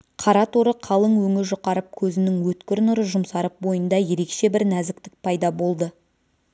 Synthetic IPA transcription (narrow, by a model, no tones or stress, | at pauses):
qʰɑɾɑt̪ʰoɾəqʰɑlˠəŋwɵŋɪɾʒoqɑɾəp̚kʲʰɵzɪnɪŋwɵt̪kʲɪɾɪnʊɾəʒʊmsɑɾəp̚bo̞jənd̪ɑje̞ɾe̞kʃe̞bɪɾnæzɪk̚t̪ɪk̚pʰɑjd̪ɑbo̞lˠd̪ə